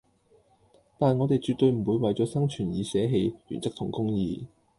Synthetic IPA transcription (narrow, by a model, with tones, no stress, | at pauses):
t̪aː˨˩nŋɔ˨˧t̪e˨jt͡ʃy˨t̚t̪ɵ˧ɥm̩˨˩wuː˨˧jwɐ˨jt͡ʃɔː˨˥sɐ˥ŋt͡ʃʰyː˨˩njiː˨˥sɛː˨˥ɦe˧jjy̰˨˩nt͡sɐ˥k̚t̪ʰʊ˨˩ŋkʊ˥ŋjiː˨˧